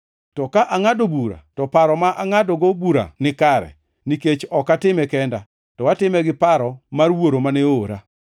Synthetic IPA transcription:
tɔkaʔaŋadobuɾa̰tɔpaɾɔmaʔaŋadɔɡobuɾa̰nɪkaɾɛ̰ | niket͡ʃɔkatɪmɛkɛnda | tɔwatɪmɛɡɪpaɾɔmarwoɾomanɛoɾa̰

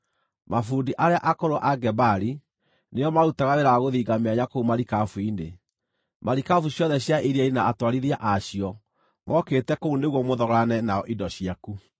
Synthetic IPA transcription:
mafuːndiʔaɾeaʔakoɾoʔaɡɛbaɾi | neɔmautaɣaɾeɾaɣoðiːɡameaɲakoumaɾikafuinde | maɾikafuɕjɔðɛɕjaʔiɾiainaatwaɾiðiaʔaɕiɔ | mʔɔketɛkouneɣwɔmoðɔɣanɛnaɔʔidɔɕiaku

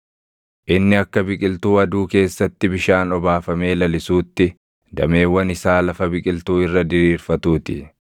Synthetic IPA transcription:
ʔɪnːɪɐkːɐbɪkʼɪlt̪uːɐd̪uːke̞ːsːɐt̪ːɪbɪʃaːnɔbaːfɐme̞ːlɐlɪsuːt̪ːɪ | d̪ɐme̞ːwːɐnɪsaːlɐfɐbɪkʼɪlt̪uːɪrːɐd̪ɪɾiːɾfɐt̪uːt̪ɪ̰

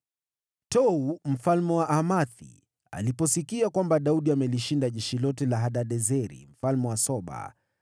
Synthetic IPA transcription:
tɔum̩falmɛwaʔamaθḭ | a̰lipɔsikiakwambaɗauɗiamɛliʃindaʄɛʃilɔtɛlaɦaɗaɗɛzɛɾḭm̩falmɛwasɔɓa̰

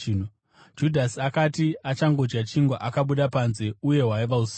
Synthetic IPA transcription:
o | d͡ʒudʱasiakatiat͡ʃaŋɡo̞d͡ʒɡat͡ʃiŋɡaʔakaɓuɗapanze̞uje̞ɦwaiʋaus

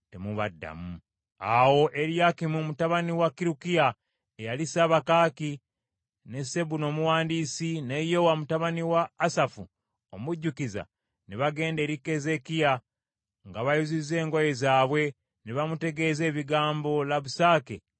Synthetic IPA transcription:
te̞muβa̰dːa̰mu | a̰wo̞ʔeɾjakimumutaβaniwakiɾukija | ejalisaβakaːki | ne̞se̞βuno̞ːmuwaːndiːsinejo̞wamutaβaniwaːsafu | o̰muɟːukiza̰ | neβaɡe̞ːnde̞ːɾikːe̞ze̞kija | ŋɡaβajuzize̞ːŋɡoje̞zaːβwe̞ | niβamute̞ɡe̞ːze̞ːβiɡaːmbo̞laβusaːke

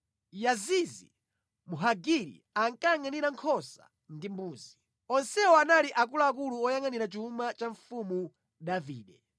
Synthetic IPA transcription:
jazizḭ | muɦaɡiɾḭ | aŋkaŋaniɾaŋkʰɔsa̰ | ndimbuːzi | ɔnsɛɔanaliʔak̬ulaːkuluɔjaŋaniɾat͡ʃumat͡ʃaɱfumu | davḭːɗɛ

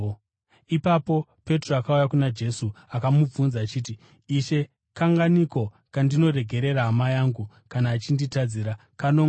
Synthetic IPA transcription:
ipapo̞pe̞troakaujakunad͡ʒe̞suakamub͡vunzaːt͡ʃiːtiː | ʃe̞ | kaŋɡaniko̞ | kandino̞ɾe̞ɡʱe̞ɾe̞ɾaɦamajaŋɡu | kanaːt͡ʃinditad͡ziːɾa | kano

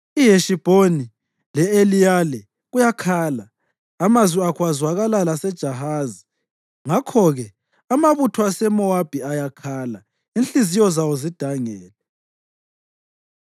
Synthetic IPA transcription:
iɦeʃib̥ʱoni | lɛelijalɛ | ɣujakʰaːlaː | mazwiakwazwaɣalalasɛd̥ʒ̥ʱaɦaːzi̥ | ŋakʰɔɣɛ | amaβutʰɔasɛmɔab̥ʱiajakʰaːla | inɬizijɔzawozid̥ʱaŋɛːlɛ

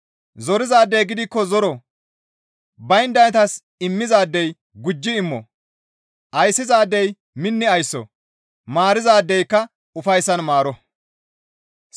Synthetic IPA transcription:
zɔɾɪzaːd̪ːɛjɡɪd̪ɪkːɔzɔɾɔ | bɐjnd̪ɐnɛt̪ɐs | ɪmːɪzaːd̪ːɛj | ɡʊd͡ʒːɪɪmːɔ̰ | ʔɐjsːɪzaːd̪ːɛj | mɪnːɪɐjsːɔ̰ | maːɾɪzaːd̪ːɛjkːɐ | ʊfɐjsːɐnmaːɾɔ

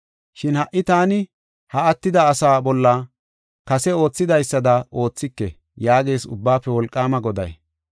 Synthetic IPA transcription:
ʃɪnhɐʔːɪt̪aːnɪ | hɐɐt̪ːɪd̪ɐːsaːbɔlːɐ | kɐsɛo̞ːt͡sːɪd̪ɐjsːɐd̪ɐʔo̞ːt͡sːɪkːɛ | jaːɡeːsʊ̰bːaːpːɛwɔlkʼːaːmɐɡɔd̪ɐj

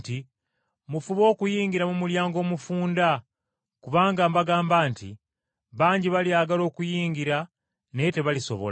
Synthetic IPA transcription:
ti | mufuβo̞ːkujiːɲɟiɾamumuljaːŋɡo̞ːmufuːnda | kuβaːŋɡambaɡaːmbaːntḭ | βaːɲɟiβaliaːɡalo̞ːkujiːɲɟiɾa | nete̞βaliso̰βo̰l

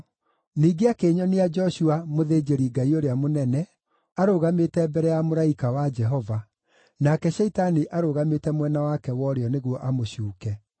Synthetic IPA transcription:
niːɡeakeːɲɔnead͡ʒɔɕuamoðeːd͡ʒeɾiɡaioɾeamonɛnɛ | aɾoɣametɛbɛɾɛjamoɾaikawad͡ʒɛɦɔva | nakɛɕɛitaniʔaɾoɣametɛmwɛnawakɛwɔɾeɔneɣwɔʔamoɕuːkɛ

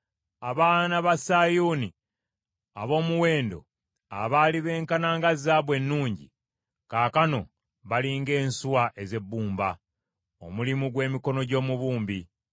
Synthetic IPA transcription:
aβaːnaβasajuni | aβo̞ːmuwe̞ːndo̞̰ | a̰βaːliβe̞ːŋkanaːŋɡazaβwe̞nːuːɲɟḭ | kaːkano̞ | βaliːŋɡe̞ːnsuwaʔeze̞bːuːmba̰ | o̰mulimuɡwe̞ːmiko̞no̞ɟo̞ːmuβuːmbi

